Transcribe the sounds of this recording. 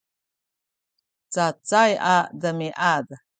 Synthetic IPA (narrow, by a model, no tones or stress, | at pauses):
t͡sat͡sajadəmiʔad